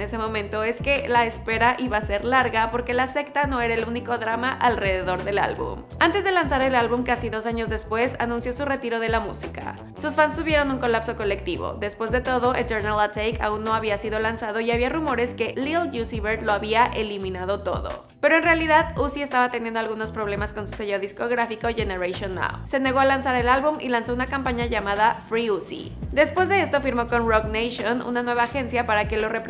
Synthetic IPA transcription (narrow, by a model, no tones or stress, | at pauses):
ese̞mõ̞mẽnt̪o̞e̞ske̞laespe̞ɾaʔiβase̞ɾlaɾɣapo̞ɾke̞lase̞kt̪ano̞e̞ɾae̞luniko̞ðɾamaʔalre̞ðe̞ðo̞ɾðe̞la̰lβṵm | ant̪e̞zðe̞lansaɾe̞lalβumkasiðo̞saɲo̞zðe̞spwe̞sa̰nũnsjo̞sure̞t̪iɾo̞ð̞e̞lamṵsika̰ | susfansːuβje̞ɾo̞nuŋko̞lapso̞ko̞le̞k̚t̪iβo̰ðe̞spwe̞zðe̞t̪o̞ð̞oʔelteɾnalat̪ejkʰa̰unːo̞aβiasiðo̞lansað̞o̞iaβiarumo̞ɾe̞ske̞lilʝusiβeɾd̪lo̞aβiaʔelimĩnað̞o̞t̪o̞̰ðo̞̰ | pe̞ɾo̞e̞nrealiðaðusie̞st̪aβat̪e̞njẽndoalɣuno̞spɾoβle̞masko̞nsu̥seʝoðisko̞ɣɾafiko̞ʝe̞ne̞ɾajʃjonːa̰wse̞ne̞ɣo̞alansaɾe̞lalβumʔḭlanso̞unakampaɲaʝamaðafɾiusḭ | d̪e̞spwe̞zðe̞est̪o̞fiɾmo̞ko̞nroknejʃonṵnanwe̞βaːxe̞nsjapaɾake̞lo̞rep